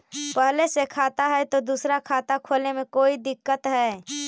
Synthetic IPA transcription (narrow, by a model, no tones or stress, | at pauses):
pəɦlesekʰat̪aɦɛjt̪od̪usɾakʰat̪akʰolemekoid̪ɪkːət̪ɦɛː